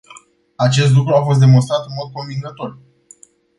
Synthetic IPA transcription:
at͡ʃe̞s̬t̪lukɾuafo̞s̬t̪d̪e̞mo̞nst̪ɾat̪ɨnmo̞d̪̚ko̞ɱviŋɡət̪o̞r

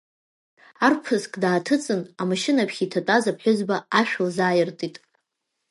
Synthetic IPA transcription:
arpʰɨskʼdaːtʰɨt͡sʼɨnamaʃɪnapʰχʲitʰatʼazapħʷʊzbaaʃᶣʊlzaːjɪrtʼitʼ

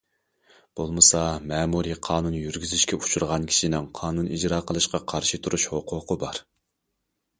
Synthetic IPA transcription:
b̥olˠmɨsɑmɛːmuɾiqʰɑːnunjyɾɡʲyzyʃkʲɛut͡ʃʰuɾʁɑnkʲʰi̥ʃinɪŋqʰɑːnunid͡ʒɾɑːqʰəlˠɨʃqɑqʰɑɾʃɨt̪ʰuɾuʃhoqʰʊqʰəbɑɾ

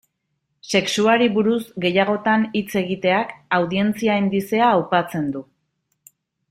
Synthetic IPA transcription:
se̞ksuaɾiβuɾuzɡe̞jaɣ̞o̞t̪anit͡se̞ɣ̞it̪e̞akawðie̞nt͡siaend̪ise̞aːwpat͡se̞nd̪u

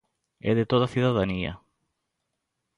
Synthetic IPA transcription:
eðet̪ot̪ɐθiðaðɐniɐ̰

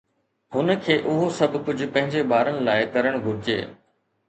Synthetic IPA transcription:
hʊnəkʰeːʔʊɦosɐbʱkʊd͡ʑʱʊ̆pɐ̃ɦɪ̃ɲd͡ʑebaːɾənɪ̆laːɪkɐɾəɽ̃ɡʱʊɾɪd͡ʑḛː

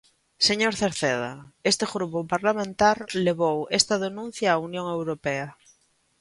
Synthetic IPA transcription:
seɲoɾθeɾθeð̞a̰est̪eɣɾupopaɾlamẽnt̪aɾleβ̞owest̪aðenũn̟θjaːunjõŋe̞wɾopea

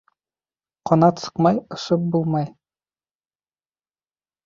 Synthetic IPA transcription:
qɒnɑt̪sɤ̥̆qmɑjɤ̆ʃɤp̚bulˠmɑj

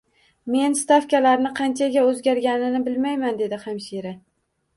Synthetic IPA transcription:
me̞nst̪afkʲalaɾnɪqʰɑnt͡ʃʰaɡʲaɵzɡʲaɾɡʲanɪnɪbɪlmajmand̪e̞d̪ɪχamʃiɾa

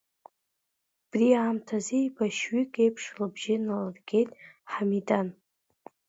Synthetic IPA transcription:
b̥riaːmtʰazejbaʃɥikʼejpʰʂlɨbʒɪnalɨrɡʲe̞jtʼħamidan

